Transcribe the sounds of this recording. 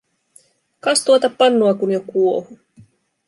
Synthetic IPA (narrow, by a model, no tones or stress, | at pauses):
kɑst̪uot̪ɑpːɑnːuɑkunjokuohu